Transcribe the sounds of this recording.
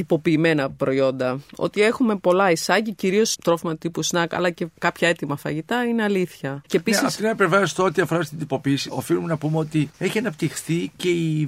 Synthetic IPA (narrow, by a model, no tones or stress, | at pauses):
t̪ipo̞piːme̞nɐpɾo̞io̞nd̪ɐo̞̰t̪ie̞xume̞po̞lɐisɐʝiciɾio̞st̪ɾo̞fimɐt̪ipusnɐkɐ̰lɐce̞kɐpçɐe̞t̪imɐfɐjʝit̪ɐine̞ɐliθçɐcepiseɐft̪inɐepevɐost̪ɐo̞t̪iɐfo̞ɾɐst̪ind̪ipo̞piːsio̞̰filume̞nɐpumeo̞t̪ieçiɐnɐpt̪ixθice̞i